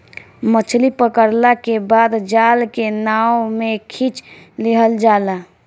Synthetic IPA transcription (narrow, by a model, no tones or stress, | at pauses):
mət͡ʃʰlipəkəɾlakebaːd̪d͡ʒaːlkenaːwmekʰit͡ʃ | lɪɦəld͡ʒaːla